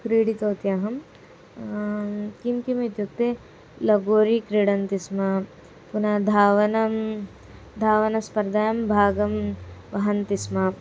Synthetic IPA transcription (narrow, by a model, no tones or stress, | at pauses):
kɾiːɽit̪oːt̪jaɦɐm | kimkimɐt̪juk̚t̪e | lɐɡoːɾikɾiːɽɐnt̪isma | punad̪ʱaːʋɐnɐm | d̪ʱaːʋɐnɐspɐɾd̪ʱaːjɐmbʱaːɡɐmʋɐɦɐnt̪isma